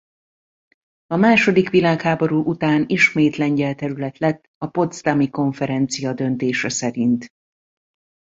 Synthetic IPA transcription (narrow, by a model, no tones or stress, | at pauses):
ɒmaːʃo̞d̪ikʋilaːkhaːbo̞ɾuːʔut̪aːniʃmeːt̪lɛɲɟɛlt̪ɛɾylɛt̪lɛt̪ːɒpo̞t̪st̪ɒmiko̞ɱfɛɾɛnt̪sijɒd̪ø̞nt̪eːʃɛsɛɾint̪